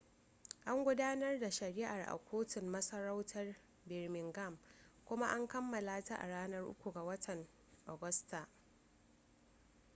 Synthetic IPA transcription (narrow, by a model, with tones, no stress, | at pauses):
ʔa˦ŋɡʷʊ˦daː˦nɐ˦rda˨ʃɐ˨ɾiː˦ʔa˨rʔa̰˨kʷʰoː˦tɪ˨mːɐ˦sɐ˦ɾa˦wtʰɐ˦r | bɛ˨rmɪ˨ŋɡɐ˦˨m | kʷʊ˦ma˦ʔa˦ŋkɐ˦mːɐ˨laː˦ta˦ʔa̰˨ɽaː˦nɐ˦rʔʊ̰˦kʷu˨ɡa˨wɐ˦tʰɐ˨n | ʔo˨ɡʊ˦sta˨ʔ